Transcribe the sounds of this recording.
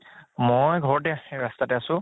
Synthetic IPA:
mojɡʱɔɹɔt̬ɛɹastatɛasʊ̃

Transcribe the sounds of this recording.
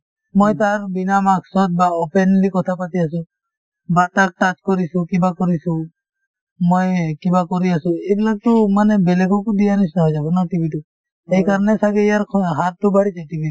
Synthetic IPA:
mojt̪aɾbinamaksɔt̪̚baɔpenlikɔt̪ʰapat̪ias̬ũ | batak̚ʈat͡ʃkɔɾisũkibakɔɾisũ | mojkibakɔɾiasũejbilak̚t̪ɔmanɛbɛlekʰɔkudijanis̬naɦɔjd͡ʒabunɔʈibʱitu | ejkaɾnɛsaɡɛijaɾʰɦaɾtubaɽid͡ʒaʈibi

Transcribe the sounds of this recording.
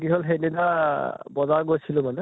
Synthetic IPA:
ɡiɦolɦenidabɔzaɡojsʰilʊ̃manɛ

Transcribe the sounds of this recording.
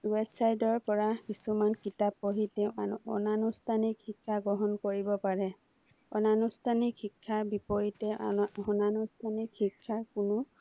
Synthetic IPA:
wɛdsajdɔɹpɔɹakisumankitapːoɦitɛaɔ̰nanustʰanikhikʰːaɡɔɦɔnkoɹibɔpaɹɛ | ɔ̰nanustʰanikhikʰːaɹbipoɹitɛɔnanustʰanikhikʰːaɹkʊnʊ

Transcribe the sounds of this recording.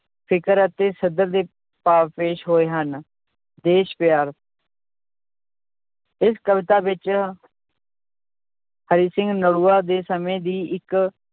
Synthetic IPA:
pʰɪkəɾət̪eːsəd̪əɾd̪eː | paːʋpeːʃɦoːeːɦən | d̪eːʃpɪjaːɾ | ɪskəʋɪt̪aːʋɪt͡ʃ | həɾiːsɪ̃ŋɡnəɽuːaːd̪eːsəmẽːd̪iːɪk

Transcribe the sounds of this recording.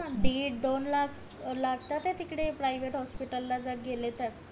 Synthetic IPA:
ãɖeʈd̪onla | laɡt̪at̪et̪ikɽepɾajʋeʈɦɔspiʈəlːad͡zəɾɡelet̪əɾ

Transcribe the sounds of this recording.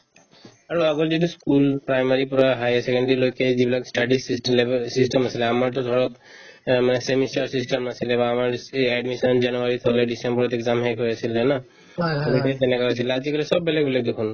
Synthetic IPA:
aɹuaɡɔlziʈuskulpɹajmaɹipɔɹaɦajasekeɳɖilojkezibilaksʈaɖisisʈlesisʈemasilɛamaɹt̪ɔd̪ʱɔɹɔt̪ | manesemisaɹsisʈemasilɛbaːmaɹɛɖmisɔnzanuaɹit̪ʰɔlɛɖisembɔɹɔt̪ɛkzamɦejkɦojasilɛna | obiʈet̪enɛkaɦojsilɛazikɔlɛsɔbːelekbilɛk̚d̪ekʰun

